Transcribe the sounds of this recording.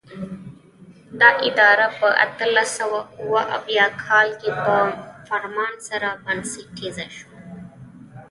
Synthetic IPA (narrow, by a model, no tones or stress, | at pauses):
d̪ɑʔɪd̪ɑɾapəʔa̰t̪alasawauwaʔa̰wjɑkʰɑlkepəfaɾmɑnsaɾabansiʈʰezaʃo̥